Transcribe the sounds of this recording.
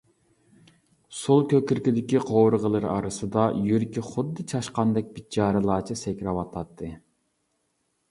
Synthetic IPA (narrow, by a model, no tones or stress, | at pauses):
sulˠkʲøkʲyɾkʲid̪ɪkʲiqʰowɾɨʁəlˠɨɾɑ̰ɾɨsɨd̪ɑjyɾkʲiχʊd̪ːɨt͡ʃʰɑʃqɑnd̪ɛk̚ʲbit̪̚d͡ʒɑːɾɨlˠɑːt͡ʃʰɨsɛkʲɾɑwɑt̪ʰɑt̪ːɨ